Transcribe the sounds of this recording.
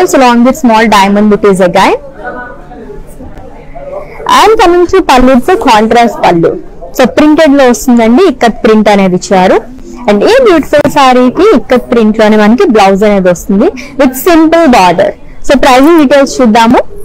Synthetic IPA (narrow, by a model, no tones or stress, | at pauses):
lslɔːŋʋid̪smɔːlɖɐjmɐɳɖiʈizɐɡaj | a̰nkɐmĩŋʈ̪upɐlːiɖt̪ukaːɳʈɾaːsʈ̚pɐlːṵsopɾiɳʈeɖloːʋɐst̪und̪ɐɳɖiːkːɐt̪̚pɾiɳʈɐne̞ːd̪it͡ʃːaːɾu | ɐɳɖeːbjuːʈi̥fulsaːɾikiːkːɐt̪̚pɾiɳʈlo̞ːneːmɐnɐkiblɐwzɐne̞ːd̪ʋɐst̪und̪i | ʋid̪simpəlbaːɖɐ̰ɾ | soːpɾɐjzɐɖiːʈeːlst͡ʃud̪ːaːmu